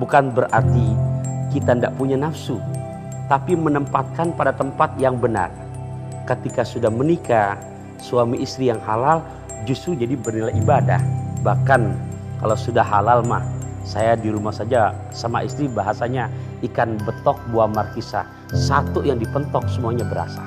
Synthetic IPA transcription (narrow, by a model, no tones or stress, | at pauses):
bukanbəɾart̪ikit̪andaʔpuɲanafsu | t̪apimənəmpat̪̚kanpadat̪əmpat̪jaŋbəna̰r | kət̪ikasudahmənika | suamiʔist̪ɾijaŋɦalal | d͡ʒust̪ɾud͡ʒadibərnilaibada̰hbahkankalawsudahɦalalmahsajadiɾumahsad͡ʒa | sama̰ʔist̪ɾibaɦasaɲa | ikanbət̪ɔk̚buamarkisa̰ | sat̪ujaŋdipənt̪ɔk̚səmuaɲabəɾa̰sa̰